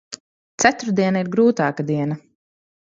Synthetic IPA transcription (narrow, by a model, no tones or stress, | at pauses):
t̪sæt̪uɾd̪iɛnaiɾɡɾuːt̪ɑːkad̪iɛnɐ